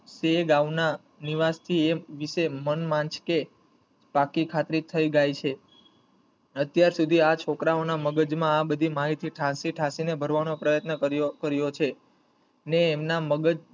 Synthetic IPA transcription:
seɡaʋna | niʋast̪ʰieʋisemənmãnt͡ʃke | bakikʰat̪ɾit̪ʰəiɡajt͡ʃʰe | ət̪jaɾsud̪ʱiat͡ʃʰokɾaonaməɡəd͡ʒmãːbəd̪ʱimaɦit̪ʰiʈʰãsiʈʰasinebʱəɾʋanopɾəjət̪nəəɾokəɾjot͡ʃʰe | neːmnaməɡəd͡ʒ

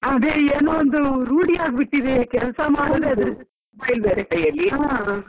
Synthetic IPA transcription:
ɐd̪eːeːnoːɔnd̪uɾuːɽiaːɡbɪʈːiðekɛlsɐmaːɽɐðeɐd̪ɐ | bɐjlbeːɾekɐjɐlːia

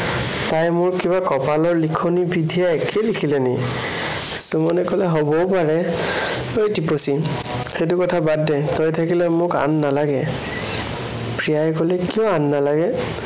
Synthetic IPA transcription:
tajmʊɹkibakɔpalɔɹlikʰonibidʱijaɛkʰelikʰilɛni | sumɔnɛkɔlɛɦobɔpaɹɛ | oɹidiposi | xet̬ukɔtʰabadːɛtɔjtʰakilɛmʊka̰nːalaɡɛ | pɹijajkolɛkijɔ̃anːalaɡɛ

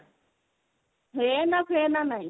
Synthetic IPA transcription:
ɦenãkʰenanãĩ

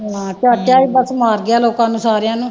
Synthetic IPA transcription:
ɦãːtaːʈjaːiːbəsmaːɾɡɪaːloːkãːnũːsaːɾɪjãːnũː

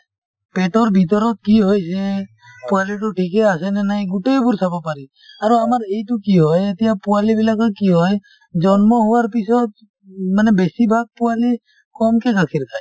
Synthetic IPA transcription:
peʈɔɾbʱit̪̬ɔɾɔt̪̚kiɦojse | pualiʈ̬uʈʰikeasenenaĩɡuʈebuɾsʰəbapaɾi | aɾoamaɾeiʈukiɦɔjet̪ijapualibilakakiɦɔj | d͡ʒɔnmɔɦuaɾpisɔt̪ | mənɛbesibʱaɡ̚puali | kɔmkekakʰiɾkʰaj

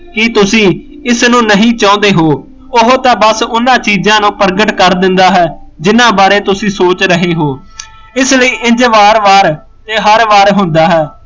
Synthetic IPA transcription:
kɪt̪ʊsĩː | ɪsnũːnəɦĩːt͡ʃãːnd̪eːɦoː | ʊɦoːt̪ãːbəsʊnãːt͡ʃiːzãːnũːpəɾɡəʈkəɾd̪ɪnd̪aːɦɛːd͡ʒɪnãːbaːɾeːt̪ʊsĩːsoːt͡ʃɾəɦeːɦoː | ɪsləiːʔɪɲd͡ʒʋaːɾʋaːɾ | t̪eːɦəɾʋaːɾɦʊnd̪aːɦɛː

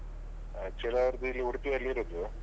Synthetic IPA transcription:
t͡ʃɛlaɾd̪ilːiuɽt̪ieɐlːiɾod̪u

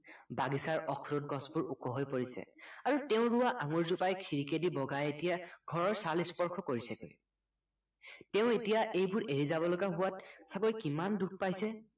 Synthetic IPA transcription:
baɡisaɹɔkʰɹut̚ɡɔsbʊɹukɔɦojpoɹisɛ̰aɹutɛʊ̃ɹʊwaʔaŋoɹzupajkʰiɹikedibɔɡajetijaɡʱɔɹɔɹsalispɔɹkʰɔkoɹisɛko | tɛʊ̃etijaʔejbʊɹeɹizabɔlɔɡaɦʊwatsaɡojkimanduk̚ʰpajsɛ

